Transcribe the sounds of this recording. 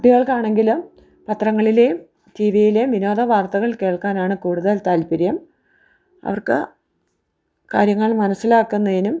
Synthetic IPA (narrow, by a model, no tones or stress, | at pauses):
ʈːiɣɐɭkaːɳe̞ŋɡilum | pɐt̪rɐŋːɐɭilejum | t̪iːʋijilejmʋino̞ːd̪ɐʋaːrt̪ɐɣɐɭke̞ːɭkaːnaːɳɨkuːɽuðɐlt̪aːlpiɾjɐm | ɐ̰ʋɐrkɨ | kaːɾjɐŋːɐɭmɐnɐsːilaːkːunːɐðinum